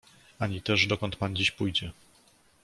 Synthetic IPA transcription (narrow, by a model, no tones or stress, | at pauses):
aɲit̪ɛʐd̪ɔkɔnt̪̚pand͡ʑiɕpujd͡ʑɛ